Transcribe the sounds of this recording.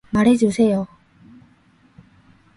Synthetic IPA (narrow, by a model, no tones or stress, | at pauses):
maɾe̞d͡ʑusʰe̞jo